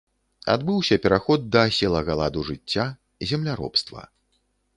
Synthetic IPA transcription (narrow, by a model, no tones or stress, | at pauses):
a̰d̪bɨwsʲɐpʲɛɾaxɔd̪̚ːɐsʲɛlˠɐɣalˠad̪uʐɨt͡sʲːa | zʲɛmlʲaɾɔ̰pst̪vɐ̰